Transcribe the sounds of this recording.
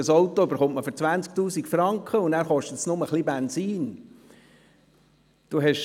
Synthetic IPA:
əsowt̪ɔybəɾχʊmtməfɨɾt͡sʋænt͡skt̪uːsikfɾɑŋkχəʊnnæːɾχɔʃtətsnʊməχlibɛnsiːn | d̥uɦɛʃ

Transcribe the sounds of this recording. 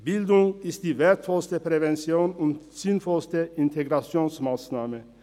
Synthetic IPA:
b̥ɪldʊŋɪstd̥iːveːɐtfɔlstəpʁ̥evɛnt͡sjoːnʊnt | z̥ɪnfɔlstəɪntʰeɡʁat͡sjoːnsmaːsnaːmə

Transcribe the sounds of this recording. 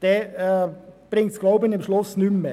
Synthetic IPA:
d̪̥ɛ | b̥ɾɪŋt̪kʰlaʊbənɪmʂlʊsnʉmːə

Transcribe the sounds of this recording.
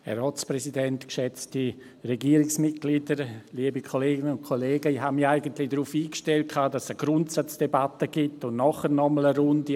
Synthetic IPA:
hɛ̰ɾɔːtsprɛsidɛntkʃɛt͡sti | rɛɡiːəɾɪksmɪt̚ɡ̥liːdəɾliəbikʰoleːɡɪnəʊntkʰoleːɡəiɦamaɪɡəntlɪdɾuːfiːkʃtɛlt̚kʰaːdasəɡ̥ɾʊntsat͡sd̥ebatəɡɪtʊnnɔχərnɔmələɾʊndi

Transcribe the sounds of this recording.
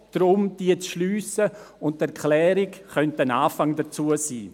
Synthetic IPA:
d̥ɾʊmd̥iət͡sʃlyːsə | ʊnttɛɾkʰlɛːɾɪkχœntənaːfaŋdət͡suəsḭː

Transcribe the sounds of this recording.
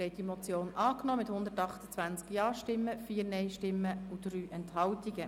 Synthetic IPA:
ɛɪt̚dimɔt͡sjoːnʔɑːknɔːmɪthʊnd̪ətɑχtə̥t͡sʋænt͡skjɑːʃtɪmːəfiːəɾnɛɪʃtɪmːəud̥ryːʔɛnthɑltiɡə

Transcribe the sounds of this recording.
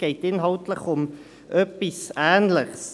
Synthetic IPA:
ɛjtiənɦɐwtləχɔm | øpisæːnləχs

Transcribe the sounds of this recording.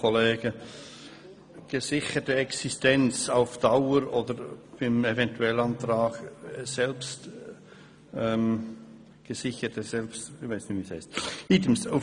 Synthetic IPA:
oleːɡ̥ə | ɡ̥əzɪçətəɛksistɛnt͡saʊfd̥aʊəɾoːdəɾb̥ɪmevɛntuɛlɑntɾɑːɡ̥sɛlpst | ɛm | ɡ̥əzɪçətəsɛlpstçvaɪsnɪviːshɛɪstiːtəm̩sa

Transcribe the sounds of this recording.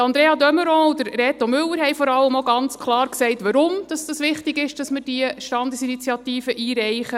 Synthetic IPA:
ɑnd̪ɾeːɑdœməɾɔ̃ːud̥əɾɾɛːt̪omʏlːəɾhɛjfɔɾɑlːəmoɡɑnt͡skʰlɑːɾksɛɪtʋɑɾʊmd̥ɑsd̥ɑsʋɪχtɪɡɪʃd̥ɑsməɾd̥iəʃtɑnd̪əsinit͡sjɑt̪iːfəʔiːɾɛɪχə

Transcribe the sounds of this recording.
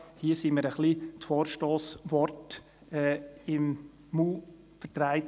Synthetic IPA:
hiəsiməɾəχlitfoːɾʃtoːsʋɔrt | ɛːɪm | muː | fəɾtɾaɪt

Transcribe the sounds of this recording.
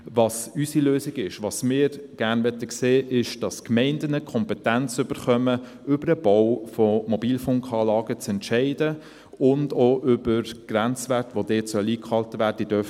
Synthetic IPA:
ʋɑsysiløːsɪɡɪʃʋɑsmɪːɾɡ̥æɾnʋɛt̪əkseːʔɪʃd̥ɑskmɛɪndənəkʰɔmpɛtænt͡sʏb̥əɾχœmə | ʏbəɾəb̥ɔwfɔmɔbiːlfʊŋkʰɑːlɑːɡ̥ət͡sɛntʃɛɪdə | ʊndoʔʏbəɾɡ̥ɾænt͡sʋætʋodeːtsœliːkχɑltʋæːɾdəd̥œf

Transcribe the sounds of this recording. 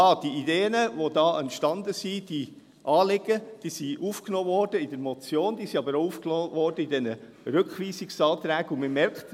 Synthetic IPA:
ɑːd̥iideːənəʋodɑːʔɛntʃtɑnd̪əsid̥i | ʔɑːlɪɡ̥əd̥iːsiʔuːfknoːvɔɾd̥əidɛɾmɔt͡sjoːnd̥̪iːsiɑbəɾoufknoːʋɔrdəidɛnə | ɾʏkχʋiːsiksɑːt̪ɾæːɡuməmɛɾkt

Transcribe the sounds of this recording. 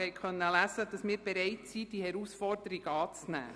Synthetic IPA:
hɛɪkχœnːəlæsəd̥ɑsmɪːɾb̥eɾɛɪtsid̥ihɛɾusfɔrd̥əɾiɡəɑːt͡snæ̰ː

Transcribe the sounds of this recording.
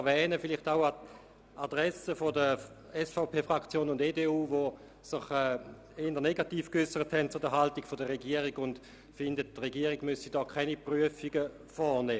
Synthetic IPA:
ɛɐvɛːnəfɪliχtaʊa | ʔadʁɛsəfodə | ɛsfaʊpʰeːfʁakt͡sjoːnʊndeːdeːuːvo | sɪχɛ | endəneɡatiːfkʏsəʁəthɛnt̚t͡sʊdəɦaltiɡ̥fodəʁeɡiəʁiɡʊnd | fɪndət̚tʁeɡiəʁiɡ̥mʏsidɔːkʰχɛnipʁyəfiɡə | fɔneː

